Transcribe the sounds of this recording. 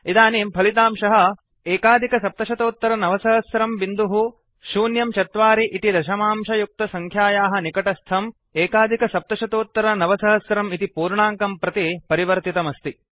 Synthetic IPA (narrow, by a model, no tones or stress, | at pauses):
id̪aːniːmpʰɐlit̪̬aːmʃɐɦɐ̆ | eːkaːd̪ʱikɐsɐp̚t̪ɐʃɐt̪oːt̪ːɐɾɐnɐʋɐsɐɦɐsɾɐmbind̪uɦu | ʃuːnjɐmt͡ʃɐt̪ʋaːɾiʔit̪id̪ɐʃɐmaːmʃɐjuk̚t̪ɐsɐŋkʰjaːjaːɦɐ̆nikɐʈɐst̪ʰɐm | eːkaːd̪ʱikɐsɐp̚t̪ɐʃɐt̪oːt̪ːɐɾɐnɐʋɐsɐɦɐsɾɐmit̪ipuːɾɳaːŋkɐmpɾɐt̪ipɐɾiʋɐɾt̪it̪ɐmɐst̪i